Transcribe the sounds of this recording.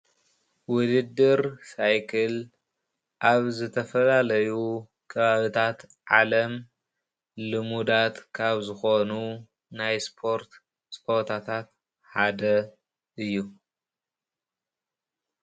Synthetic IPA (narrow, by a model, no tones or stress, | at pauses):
wʊd̪ɨd̪ːɨɾsajkʰɨl | ʔaβzɨt̪ʰɐfɐlalɐju | kʰɐβaβit̪ʰat̪ʕalɐm | lɨmud̪at̪kʰaβzɨxonu | najspʰoɾt̪ | spʰoɾt̪ʰat̪ʰat̪ | ħad̪ɐ | ɨjːu